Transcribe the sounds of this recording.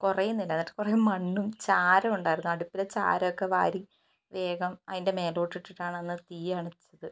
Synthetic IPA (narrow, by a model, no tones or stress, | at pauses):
kurejumnːilːɐnːɐʈːɨ̥kurejumːɐɳːumt͡ɕaːɾɐmuɳɖaːjiɾunːuɐɽupːilet͡ɕa̰ːɾɐjokːeʋa̰ːɾi | ʋe̞ːɡɐmɐðinde̞me̞ːlo̞ːʈːiʈːiʈːaːɳɐnːɨt̪iːaːɳɐt͡ɕːɐðɨ